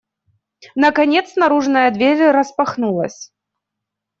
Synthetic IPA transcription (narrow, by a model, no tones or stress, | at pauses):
nɐkanʲɛt̪snɐɾuʐnɐjɐd̪vʲeɾʲɾɐspaxnulˠɐ̰sʲ